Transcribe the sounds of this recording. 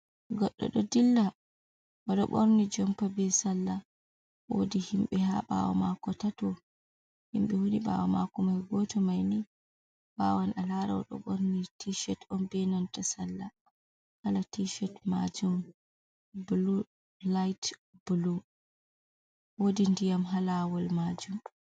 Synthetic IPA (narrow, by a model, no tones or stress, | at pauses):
ɡɔɗːɔ̰ɗɔdilːa | wɔɗɔ̰ɓoɾnid͡ʒɔmpabɛsalːa | wo̰dihimɓɛha̰ɓa̰wa̰makɔtatɔ | himɓɛwuniɓa̰wamakɔmajɡɔtɔmajni | ɓawanalaɾaɔ̰ɗɔ̰ɓoɾnitiʃɛtɔnbɛnantasalːa | halatiʃɛtma̰d͡ʒum | bulu | lajtb̥ulu | wodindijamɦalawɔlmad͡ʒum